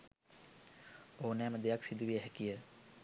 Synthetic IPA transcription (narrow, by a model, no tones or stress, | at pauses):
oːunɛːməd̪ejaksid̪uʋijəɦɛkijə